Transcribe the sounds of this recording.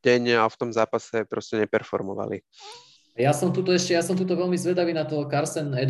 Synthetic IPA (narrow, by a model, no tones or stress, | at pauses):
ɟɛɲaft̪ɔmzaːpasɛpɾɔscɛɲɛpɛɾfɔɾmɔʋa̰lḭ | jasɔmt̪ut̪ɔɛʃcɛjasɔmt̪uːt̪̬ɔʋɛlmizʋɛd̪aʋiːnat̪ɔkaɾsɛnɛ